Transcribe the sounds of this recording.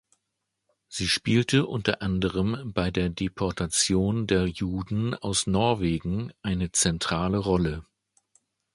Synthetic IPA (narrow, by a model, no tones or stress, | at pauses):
z̥iːʃpiːltəʔʊntɐ̰ʔandəʁ̞əmbaɪdeːɐdepʰɔɐtʰat͡sjoːndeːɐjuːdn̩aʊsnɔɐveːɡŋ̩ʔaɪnət͡sɛntʁ̥aːləʁɔlə